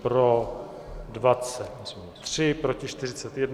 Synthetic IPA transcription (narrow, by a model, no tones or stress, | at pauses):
pɾo | dvat͡sɛt̪ | t̪r̥ɪpɾo̞cɪʃt̪ɪr̝ɪt͡sɛt̪jɛdn